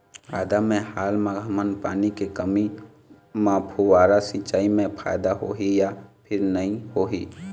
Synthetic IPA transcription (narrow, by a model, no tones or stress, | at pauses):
a̰ːd̪amẽhaːlmãɡʱəmənpaːnikekəmi | mãpʰuʋaːɾasĩt͡ʃaːimẽpʰa̰ːjd̪aɦoɦijapʰɪɾnəɦĩhoːɦi